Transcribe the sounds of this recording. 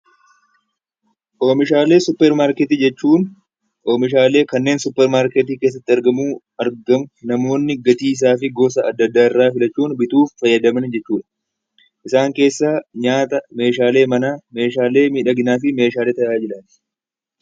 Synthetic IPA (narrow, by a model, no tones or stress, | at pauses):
ʔo̞ːmɪʃaːle̞ːsʊpːɛɾmaːɾkɛt̪id͡ʒɛt͡ʃːuːn | ʔoːmɪʃ̬aːle̞ːkɐnːe̞ːnsʊpːɛɾmaːɾket̪̬iːkeːs̬ːɐt̪ːɪɐɾɡɐmuː | ɐɾɡɐmʊnɐmo̞ːnːɪɡɐt̪iːs̬aːfɪɡo̞ːs̬ɐɐd̪ːɐd̪ːaːɪrːaːfɪlɐt͡ʃːuːnbɪt̪uːfːɐjːɐd̪ɐmɐnd͡ʒɛt͡ʃːuːᶑɐ̥ | ʔɪsaːŋke̞ːsːaːɲaːt̪ɐme̞ːʃaːle̞ːmɐnaːme̞ːʃaːle̞ːmiːᶑɐɡɪnaːfɪme̞ːʃaːleːt̪ɐʔaːd͡ʒɪlɐn